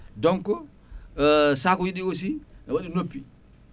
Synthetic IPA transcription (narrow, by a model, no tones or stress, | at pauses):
dɔŋkɔ | sakɔjiɗikos̬iɛwaɗinopːi